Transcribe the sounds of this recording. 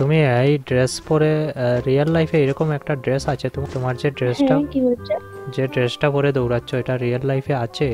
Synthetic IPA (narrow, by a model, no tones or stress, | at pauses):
t̪umiejɖɾespɔɾeɾijalːajpʰeejɾɔkomɛkʈaɖɾesat͡ʃʰet̪ut̪omaɾd͡ʒeɖɾesʈakiot͡ʃʰd͡ʑeɖɾesʈapɔɾed̪owɾatːt͡ʃʰoeʈaɾialːajpʰeat͡ʃʰe